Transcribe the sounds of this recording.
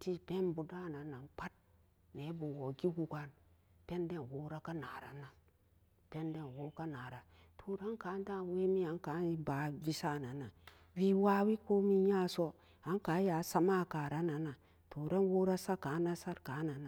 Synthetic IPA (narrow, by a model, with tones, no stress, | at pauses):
ti˦pe˦nbu˨da˦˨na˨na˨nk͡pa˦t̚ | ne˨˦bu˨wo˨ɡi˦ɡu˨ɡʷa˦n | pe˦nde˦˨nwo˦ɾa˦ka˦na˨ɾa̰˨na˨ | pe˦nde˦˨nwo˦ka˦na˨ɾa˨ | tʰo˨ɾa˦nka˨˦n˦da˦we˦mi˦a˨ŋka˨˦i˦ba˨˦vi˦sa˦˨na˨na˨ | vi˦wa˦wi˦ko˦mi˦ɲa˦so˦ | a˨˦ŋka˨˦ja˨˦sa˦ma˦˨ka˨ɾa˦na˨na˨ | to˨ɾa˦nwo˦ɾa˦sa˦ka˨˦na˦sa˦ɾka˨˦na˨na˨